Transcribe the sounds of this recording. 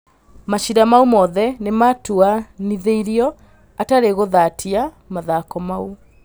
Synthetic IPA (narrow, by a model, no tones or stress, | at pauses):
maɕiɾamaumɔðɛnematuaniðeiɾiɔ | ataɾeɣoðatʰia | maðakɔmau